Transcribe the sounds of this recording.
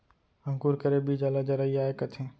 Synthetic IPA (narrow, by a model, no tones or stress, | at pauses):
ə̃ŋkuːɾkəɾebid͡ʒaːlad͡ʒəɾaiaːekɐt̪ʰẽː